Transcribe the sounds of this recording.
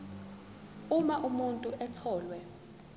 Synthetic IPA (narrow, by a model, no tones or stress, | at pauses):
umaʔumuntʼuʔɛt͡sʰɔːlwɛ